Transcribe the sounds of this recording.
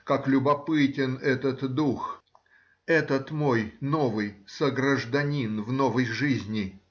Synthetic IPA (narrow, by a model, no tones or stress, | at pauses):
kaklʲʊbɐpɨtʲɪnɛt̪ət̪d̪ux | ɛt̪ət̪mo̞jno̞vɨjsəɡɾəʐd̪ɐnʲinvno̞vəjʐɨzʲnʲɪ